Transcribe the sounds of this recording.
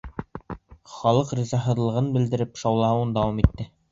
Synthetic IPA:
χɑlˠɤqrizɑɦɤ̆ðlˠɤ̆ʁɤnbɘ̆ld̪ɘ̆ɾɘpʃɑwlˠɑhɤwɤnd̪ɑwɑmit̪ːɘ

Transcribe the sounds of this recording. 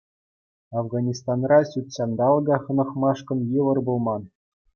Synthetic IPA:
ɑvɡɑnʲist̪ɑnrɑɕʲut̪ʲɕɑnd̪ɑlˠɡɑχɤ̆nɤ̆χmɑʂkɤ̆njɘʋɤ̆rbulˠmɑn

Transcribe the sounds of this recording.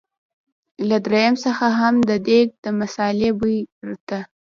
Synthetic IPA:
lad̪ɾejamsəxaɦamd̪əd̪eɡ̚d̪əmasɑlebəjɾt̪a

